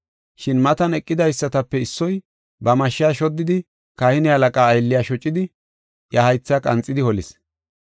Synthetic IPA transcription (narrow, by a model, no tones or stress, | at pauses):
ʃɪnmɐt̪ɐnɛkʼːɪd̪ɐjsːɐt̪ɐpːɛɪsːɔj | bɐmɐʃːɪaːʃɔd̪ːɪd̪ɪ | kɐhɪnɪhɐlɐkʼaːjlːɪjaːʃɔt͡ʃʼːɪd̪ɪ | jɐhɐjt͡sːakʼɐ̰nt͡sʼːɪd̪ɪhɔlɪs